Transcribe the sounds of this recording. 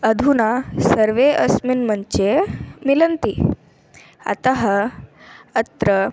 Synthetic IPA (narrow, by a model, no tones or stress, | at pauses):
əd̪ʱunasəɾʋeəsminmənt͡ɕemilənt̪i | a̰t̪aɦ | ət̪ɾə